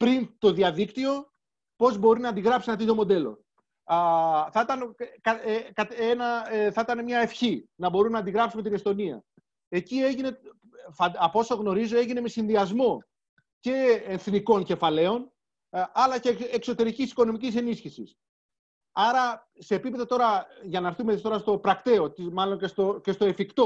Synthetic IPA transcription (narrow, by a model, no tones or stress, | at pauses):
pɾint̪o̞ðiɐðikt̪io̞ | po̞zbo̞ɾinɐːnd̪iɣɾɐpsienɐt̪it̪̬o̞mo̞d̪e̞lo̞̰ | θɐit̪ɐnkɐkɐt̪enɐθɐit̪ɐnemɲɐe̞fçinɐbo̞ɾunːɐːnd̪iɣɾɐpsume̞t̪inest̪o̞niɐ̰ | e̞cie̞ʝine̞ | fɐɐpo̞soɣno̞ɾizo̞e̞ʝine̞me̞sinðiɐzmo̞ | ce̞enθniko̞nce̞fɐle̞o̞n | ɐlɐceːkso̞t̪e̞ɾicisi̥ko̞no̞micise̞nisçisis | ɐɾɐ | se̞ːpipe̞ðot̪o̞ɾɐʝɐnɐːɾθumeist̪o̞ɾɐst̪opɾɐkt̪e̞o̞t̪imɐlo̞ɲcest̪oce̞st̪o̞efikt̪o̞